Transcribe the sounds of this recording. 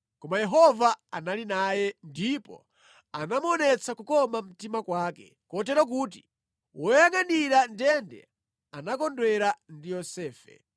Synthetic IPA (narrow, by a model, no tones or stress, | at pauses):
kɔmajɛɦɔvaanalinajɛndipɔ̰ | anamɔnɛt͡sʰakukɔmam̩timakwaːkɛ̰ | kɔtɛɾɔk̬ut̬i | wɔjaŋaniɾandɛndɛ̰ | anakɔndwɛɾandijɔsɛːfɛ̰